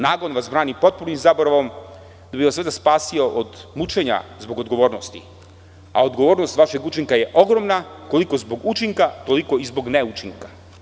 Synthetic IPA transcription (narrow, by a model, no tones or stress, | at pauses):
naːɡonʋasbɾaːnipo̞t̪̚puɾnimzaboɾaʋom | d̪abiʋasʋed̪aspaːsio̞ʔod̪mut͡ʃe̞ɲa̰zbo̞ɡod̪ɡo̞ʋo̞ːɾnost̪ḭ | a̰od̪ɡoʋo̞ːɾno̞st̪ʋaʃe̞ɡut͡ʃiŋkaje̞ʔo̞ɡɾo̞mnako̞liko̞zbo̞ɡut͡ʃiŋkat̪o̞liko̞izbo̞ɡneut͡ʃiŋkḁ